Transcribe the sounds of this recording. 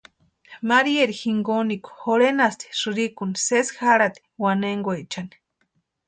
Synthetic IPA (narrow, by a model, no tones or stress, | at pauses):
maɾieɾixiŋɡoniku̥xoɾenast̪i̥ʂɨɾikunisesxaɾat̪i̥waneŋɡoet͡ʃani̥